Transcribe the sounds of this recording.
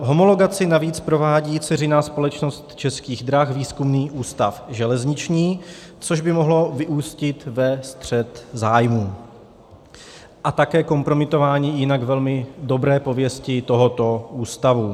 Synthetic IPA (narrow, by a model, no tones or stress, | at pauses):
ɦo̞molo̞ɡat͡sɪnaviːt͡spɾo̞vaːɟiːt͡sɛrɪnaːspo̞lɛt͡ʃno̞st̪t͡ʃɛskiːɣd̪ɾaxviːskumniːʔuːst̪afʒɛlɛzɲɪt͡ʃɲiːt͡soʒbɪmo̞ɦlo̞vɪʔuːscɪt̪vɛst̪r̝̥ɛt̪zaːjmuː | ʔat̪akɛːko̞mpɾo̞mɪt̪o̞vaːɲiːjɪnaɡvɛlmɪdo̞bɾɛːpo̞vjɛscɪt̪o̞ɦot̪o̞ʔuːst̪avu